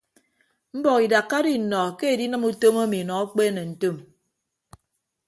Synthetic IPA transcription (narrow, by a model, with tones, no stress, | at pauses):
m̩˦bɔ˨ki˨da˨kːa˦di˦˨nɔ˨ke˦e˨di˦nɨ˦mu˦to˦ma˦mi˨nɔ˨a˦k͡pe˦ne˨n̩˨to˦˨m